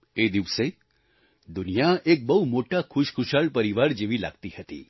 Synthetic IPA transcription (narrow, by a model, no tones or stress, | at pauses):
ed̪iʋse | d̪ʊnijaʔek̚bəɦumoʈakʰʊʃkʰʊʃaɭpəɾiʋaɾd͡ʒeʋila̰ɡt̪ihət̪ḭ